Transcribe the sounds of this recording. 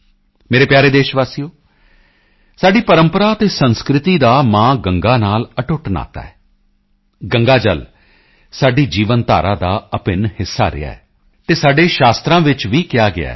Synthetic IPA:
meːɾeːpjaːɾeːd̪eːʃʋaːsijoː | saːɖiːpəɾəmpəɾaːət̪eːsənskɾɪt̪iːd̪aːmãːɡəŋɡaːnaːləʈʊʈna̰ːt̪a̰ːɛː | ɡəŋɡaːd͡ʒəl | saːɖiːd͡ʒiːʋənt̪a̰ːɾãːd̪aːəpɪnhɪsːa̰ːɾɪ̰a̰ːɛː | t̪eːsaːɖeːʃaːst̪ɾãːʋɪt͡ʃʋiːkɪjaːɡɪ̰a̰ː

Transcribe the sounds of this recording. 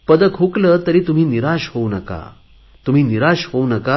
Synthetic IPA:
pəd̪əkʰɦuklət̪əɾiːt̪um̤iːniɾaɕhonəka̰ | t̪um̤iːniɾaɕhounəka

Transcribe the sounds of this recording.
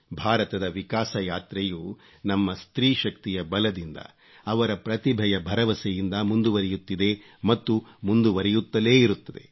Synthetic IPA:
bʱaːɾɐt̪ɐd̪ɐʋikaːsɐjaːt̪ɾejuː | nɐmːɐst̪ɾiːʃɐkt̪ijɐbɐlɐd̪ind̪ɐ̰ | ɐʋɐɾɐpɾɐt̪ibʱɐjɐbʱɐɾɐʋɐsɛjind̪ɐmund̪uʋɐɾɛjut̪ːid̪e̞ | mɐt̪ːumund̪uʋɐɾɛjut̪ːɐle̞ːiɾut̪ːɐd̪e

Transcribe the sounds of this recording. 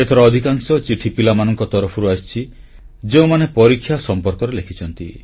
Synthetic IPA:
et̪ʰɔɾɔːd̪ʱikaŋsɔt͡ʃiʈʰipilamanɔŋkɔt̪ɔɾɔpʰɔɾuast͡ʃʰi | d͡ʒeũmanepɔɾikʰːjasɔmpɔɾkɔɾelekʰit͡ʃʰɔnt̪i

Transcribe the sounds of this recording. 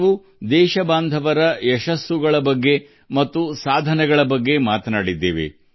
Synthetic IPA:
u | d̪ɛːʃɐbaːnd̪ʱɐʋɐɾɐjɛʃɐsːuɡɐɭɐbɐɡːe̞ | mɐt̪ːusaːd̪ʱɐnɛɡɐɭɐbɐɡːe̞maːt̪ɐnaːɽid̪ːḛːʋḛ

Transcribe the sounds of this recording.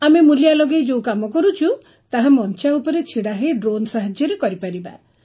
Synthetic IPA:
amemuljalɔɡejd͡ʒowkamɔkɔɾut͡ʃʰu | t̪aɦamɔnt͡ʃaupɔɾet͡ʃʰiɽaɦeɖɾonsaɦad͡ʒjɔɾekɔɾipaɾiba̰

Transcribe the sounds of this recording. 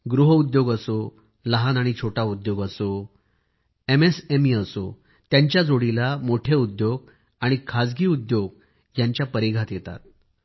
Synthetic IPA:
ɡɾuɦəud̪joɡəso | ləɦanaɽ̃it͡ɕʰoʈaud̪joɡəso | emesemiəso | t̪jaɲt͡ɕjad͡zoɽilamoʈʰeud̪joɡ̚ | aɽ̃ikʰad͡zɡiːud̪joɡ | jaɲt͡ɕjapəɾiɡʱat̪jet̪a̰t̪̚

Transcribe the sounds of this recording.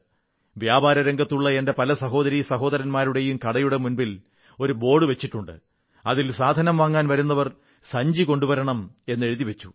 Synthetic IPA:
ʋjaːbaːɾɐɾɐŋɡɐt̪ːuɭːɐe̞nde̞pɐlɐsɐɦo̞ːðɐɾisɐɦo̞ːðɐɾɐnmaːɾuɽe̞jumkɐɽɐjuɽe̞munbil | o̞ɾubo̞ːɽɨʋe̞t͡ɕːiʈːuɳɖɨ̰ | ɐðilsaːd̪ʱɐnɐmʋaːŋːaːnʋɐɾunːɐʋɐr | sɐɲd͡ʑiko̞ɳɖubɐɾɐɳɐme̞nːe̞ɻuðiʋet͡ɕːu̥

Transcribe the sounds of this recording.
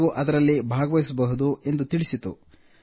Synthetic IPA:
ʋuʔɐd̪ɐɾɐlːibʱaːɡɐʋɐjisɐbɐɦud̪ue̞nd̪ut̪iɭisit̪ṵ

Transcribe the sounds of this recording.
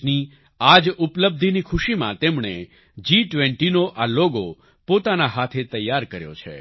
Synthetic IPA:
ni | ad͡ʒupləb̚d̪ʱinikʰuʃimã̰t̪emɳe | d͡ʒiʈʋeɳʈinoʔaloɡo | pot̪anaɦat̪ʰet̪əjːaɾkəɾjo̰t͡ʃʰḛ

